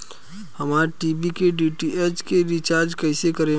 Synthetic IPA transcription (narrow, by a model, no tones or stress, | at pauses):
həmaːɾʈiːbikeɖiːʈiet͡ʃkeɾit͡ʃaːɾd͡ʒkəɪsekəɾẽ